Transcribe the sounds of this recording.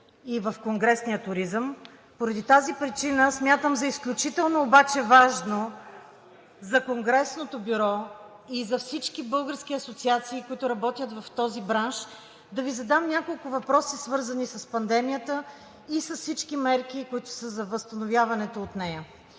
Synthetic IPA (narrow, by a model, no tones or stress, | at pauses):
ivɐfkoŋɡɾɛsniət̪ʊɾizəm | poɾɐd̪it̪azipɾit͡ʃinəsmʲjat̪əmzɐisklʲut͡ʃit̪ɛlˠnoːbat͡ʃɛvaʒno | zɐkoŋɡɾɛsnot̪obiɾɔ | izɐfsit͡ʃkibɤlˠɡəɾsk̟ʲiɐsot̪siat̪siːkʊit̪ʊɾɐbɔt̪ʲjət̪vɐft̪ɔzibɾanʃ | d̪ɐvizɐd̪amnʲakolˠkʊvɐpɾɔsisvɤɾzənisɐspɐnd̪ɛmijət̪ə | isɐssit͡ʃkimɛɾkikʊit̪ʊ̥səzɐvəst̪ɐnovʲjavɐnɛt̪oːt̪nɛjə